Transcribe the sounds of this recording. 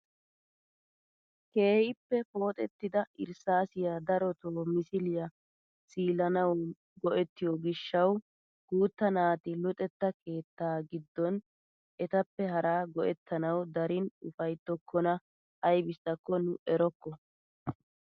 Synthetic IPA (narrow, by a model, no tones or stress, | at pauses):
ke̞ːhɪpːɛpo̞ːt̪ʼɛt̪ːɪd̪ɐɪ̰ɾsaːsɪjad̪ɐɾɔt̪oːmɪsɪlɪjɐ | siːlɐnɐw | ɡɔʔɛt̪ːɪjoɡɪʃːɐw | ɡ̥uːt̪ːɐnaːt̪ɪlʊt̪ʼɛt̪ːɐke̞ːt̪ːaːɡɪd̪ːɔn | ʔɛt̪ɐpːɛɦɐɾaːɡɔʔɛt̪ʰːɐnɐwd̪ɐɾɪnʊfɐjt̪ːɔkʰːɔnɐ | hɐjbɪst̪ːɐkːɔnʊɛɾɔkːɔ